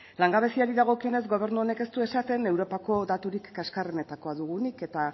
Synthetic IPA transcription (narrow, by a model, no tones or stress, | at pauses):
laŋɡaβ̞e̞siaɾiðaɣ̞o̞kione̞z̬ɡo̞β̞e̞ɾnuo̞ne̞ke̞st̪ue̞sat̪e̞ne̞wɾo̞pako̞ðat̪uɾikːaskarene̞t̪ako̞aðuɣ̞unike̞t̪a